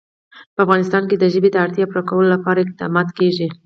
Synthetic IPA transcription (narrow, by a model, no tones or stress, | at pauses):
pəafɣɑnɪst̪ɑnked̪əʒəbed̪əaɽt̪jɑpɾɑkawəlolapɑɾaɪq̚d̪ɑ̰mɑd̪keʒi